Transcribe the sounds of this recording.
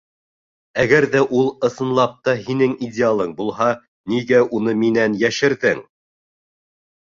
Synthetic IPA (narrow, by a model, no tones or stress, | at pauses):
æɡæɾðæʔulˠɤ̆sɤ̆nlˠɑp̚t̪ɑhinɘŋidʲɪalˠɤɴbulˠɦɑ | niɡæʔunɤminænjæʃɘ̆ɾðɘŋ